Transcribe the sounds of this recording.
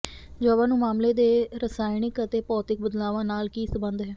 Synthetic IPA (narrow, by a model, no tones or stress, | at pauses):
d͡ʒoːəbaːnũːmaːmleːd̪eːɾəsaːɪnɪkət̪eːpɔːt̪ɪk̚bəd̪laːʋãːnaːlkiːsəbə̃nd̪ɦɛː